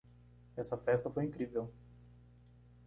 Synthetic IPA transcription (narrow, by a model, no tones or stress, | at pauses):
ɛsɐfɛst̪ɐfojĩŋkɾivew